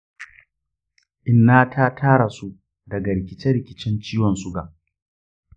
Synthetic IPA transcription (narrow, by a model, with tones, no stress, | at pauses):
ʔɪ˨nːaː˦tʰa˦tʰaː˦ɽa˨su˦ | dɐ˨ɡɐ˨ɽɪ˨kʲɪ˨t͡ʃɛ˦ɾɪ˨kʲɪ˨t͡ʃɛ˦nt͡ʃiː˦wɔ˨nsʊ˦ɡa˨ʔ